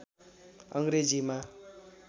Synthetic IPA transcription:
ʌŋɡɾed͡zima

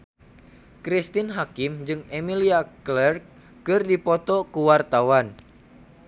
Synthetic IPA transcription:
kɾist̪inɦakimd͡ʒɨŋemiliaklɛrkː | ɨrdipɔt̪ɔkuwart̪awan

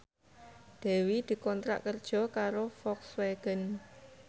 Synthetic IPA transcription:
d̪̥ɛ̤wid̪̥i̤kɔnt̪ɾa̰ʔkərd̥ʒ̥ɔ̤kaɾofɔksweɡ̥ə̤n

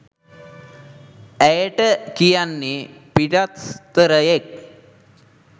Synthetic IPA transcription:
æjəʈəkijanːepiʈat̪t̪əɾəjek̚

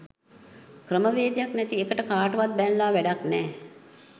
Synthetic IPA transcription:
kɾəməʋeːd̪jaknɛt̪iekəʈəkaːʈəʋat̪̚bɛnlaːʋæɖaknɛː

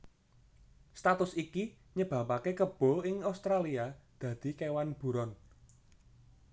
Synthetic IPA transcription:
st̪at̪ʊsiki | ɲəb̥ä̤pakekəb̥ɔ̤ɪŋawst̪ɾaliad̪̥ä̤d̪̥i̤kewanb̥ṳɾɔn

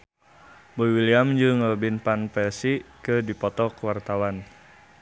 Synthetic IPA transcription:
boiwiliamd͡ʒɨŋəbinpanpɛsikədipɔt̪ɔkəwart̪awan

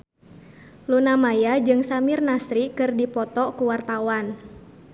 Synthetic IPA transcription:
lunamajad͡ʒɨŋsamirnasɾikɨrdipɔt̪ɔkuwart̪awan

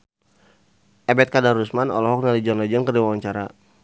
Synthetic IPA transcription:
ʔɛbɛt̪̚kadaɾusmanɔ̰lɔɦɔk̚nalid͡ʒɔnlad͡ʒankərdiwawaɲt͡ʃaɾa

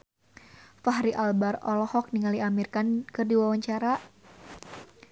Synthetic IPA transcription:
faɦɾiʔalbarɔlɔhɔk̚niŋaliʔamirkankɨrdiwawaɲt͡ʃaɾa

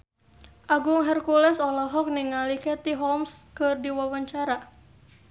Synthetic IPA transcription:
ʔaɡʊŋɦɛrkulɛsɔlɔɦɔk̚niŋalikɛt̪iɦɔmskɨrdiwawaɲt͡ʃaɾa

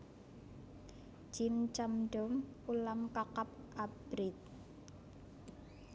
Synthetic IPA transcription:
d͡ʒ̥imt͡ʃamɖɔm | ulamkakap̚ʔab̥ɾɪt̪̚

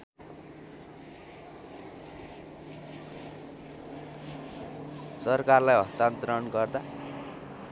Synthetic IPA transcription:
sʌrkarlajɦʌst̪ant̪rʌnɡʌrd̪a

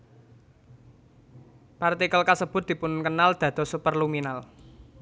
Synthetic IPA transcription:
part̪ikəlkasəb̥ʊ̤t̪̚d̪̥i̤pʊnkənald̪̥ä̤d̪̥ɔ̤supərluminal

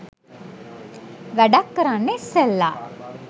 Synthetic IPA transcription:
ʋæɖakːəɾanːeselːa̰

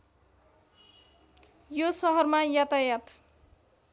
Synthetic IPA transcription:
josʌɦʌrmajat̪ajat̪

